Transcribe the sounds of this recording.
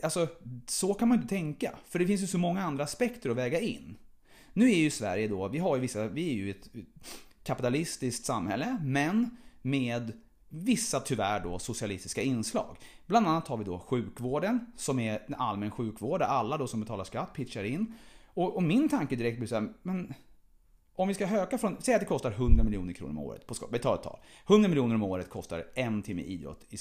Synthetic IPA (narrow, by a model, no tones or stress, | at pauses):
alsɔsɔkʰanmanʏnt̪ət̪ʰɛŋka̰fœɖɛfɪns̬jɵsɔmɔŋːaand̪ɾaːspɛkt̪əɾɔvɛːɡaɪ̰nː | nʉ̟ːæɾjɵɪsvæ̰ɾjəd̪ɔvɪɦaɾjɵvɪsːavɪæɾjɵɛt̪ | kʰːapɪt̪alɪst̪ɪsk̚t̪samhɛ̰lːəmɛnmeːd̪ | vɪsːat̪ʰʏvæɖɔ̰sʊsɪalɪst̪ɪskaɪnːslɑ̰ːɡ | bland̪anːat̪haɾvɪd̪ɔɧʉ̟ːkvoːɖənsɔmɛɛna̰lmɛːnɧʉ̟ːkvoːɖaɾalːad̪ɔsɔmbɛt̪ʰɑːlaʂkat̪ːpʰɪʂaɾɪnːɔʔɔmɪnt̪ʰaŋkəd̪ɪɾɛk̚t̪blɪsːmɛn | ɔmvɪskaɦøːkafɾɔnsɛjat̪̚d̪ɛkʰɔst̪aɾɦɵnd̪ɾamɪljṵːnəɾkʰɾṵːɾɔmo̰ːɾə̰t̪pʰɔskbɛt̪ʰɑːlɛt̪ʰːɑ̰ːlhɵnd̪ɾamɪljuːnəɾɔmoːɾət̪̚kʰɔst̪a̰ɾɛnt̪ʰɪmːə̰ʔḭːd̪ɾɔ̰t̪ːɪ